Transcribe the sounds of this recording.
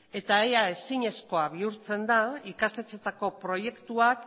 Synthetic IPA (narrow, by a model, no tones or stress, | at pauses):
e̞t̪aejae̞siɲe̞sko̞aβ̞iuɾt͡se̞nd̪aikast̪e̞t͡se̞t̪ako̞pɾo̞je̞kt̪uak